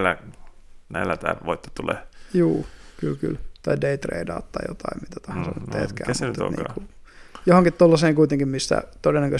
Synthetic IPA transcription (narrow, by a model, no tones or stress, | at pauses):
lːæ | næilːæt̪æ̰ːlʋoit̪ːɑ̥t̪ulḛjuːkylky̰lt̪ɑideit̪rḛidɑ̰ːt̪t̪ɑijot̪ɑimmit̪æt̪ɑhɑnsɑ̰nyt̪t̪ḛːt̪kæ̰ːmnyt̪eo̰nḭːku | johoŋkit̪t̪olːɑseːŋkuit̪eŋkimmist̪æ̰t̪odenːækø